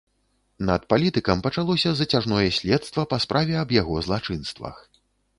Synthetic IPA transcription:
nɐt̪̚palʲit̪ɨkɐmpɐt͡ʂalˠɔsʲɐzɐt͡sʲaʐnɔjɛsʲlʲɛt̪st̪vɐpɐspɾʔavʲɛɐbjaɣɔzlˠat͡ʂɨnst̪vɐ̰x

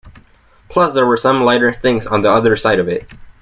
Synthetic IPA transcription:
pʰl̥ʌsðə˞wə˞sʌ̃mlaɪɾə˞θɪ̃ŋzn̩ðiʌðə˞saɪɾʌvɪt̚

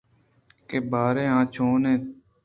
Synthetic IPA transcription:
keːbaːɾeːɦãːt͡ʃʰoːnẽː

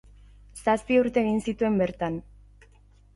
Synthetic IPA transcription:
saspiuɾt̪e̞ːɣ̞insit̪ue̞mbe̞ɾt̪an

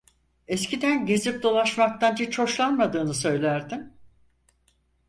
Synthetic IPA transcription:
ɛscid̪ænɟezip̚d̪o̞lˠaʃmak̚t̪ʰand͡ʒit͡ʃʰo̞ʃlˠanmad̪ɯːnɯsø̞jlʲæɾd̪im

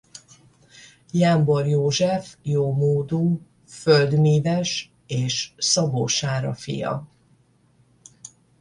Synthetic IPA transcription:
jamborjoːʒɛfjoːmoːd̪uː | føld̪miːvɛʃ | eːʃsɒboːʃaːɾɒfḭjɒ̰

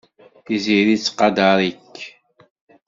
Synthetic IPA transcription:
iziɾit͡sːqːɑd̪ɑɾˤikː

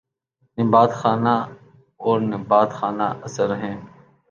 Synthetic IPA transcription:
nɪbaːt̪xaːnaː | oːɾnɪbaːt̪xaːnaːʔəsəɾɦẽːn

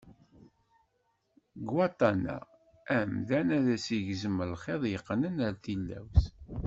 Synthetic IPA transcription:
ɡwɑt̪ˤːɑnæ̰ | æmðænæðæsiʝzəməlχeðˤjəqːnənæɾθilːæ̰ws

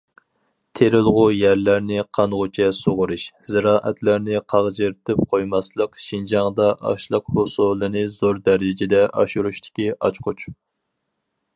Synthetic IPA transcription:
t̪ʰeɾɪlˠʁʊjæɾlæɾnɪqʰɑnʁʊt͡ʃʰɛsoʁʊɾɨʃz̥ɨɾɑːʔɛt̪ʰlæɾnɪqʰɑʁd͡ʒɨɾt̪ʰɪp̚qʰojmɑslˠəqʃind͡ʒɑŋd̪ɑʔɑ̰ʃlˠəq̚hosulˠɨnɨzoɾd̪ɛɾɪd͡ʒɪd̪ɛʔɑ̰ʃuɾuʃt̪ʰɪ̥kʲiʔɑ̰t͡ʃqʰʊt͡ʃ

